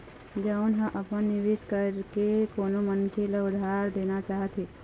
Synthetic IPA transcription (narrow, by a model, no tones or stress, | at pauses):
d͡ʒəʊnɦə̃ʔəpənːiʋiskəɾkekoːnomənkʰeleʊd̪ʱaɾd̪enat͡ʃaɦət̪ɦi